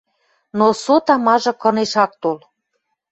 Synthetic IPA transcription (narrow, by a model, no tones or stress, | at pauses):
nosot̪ɑmɑʒɤ̆kɤ̆neʃɑk̚t̪ol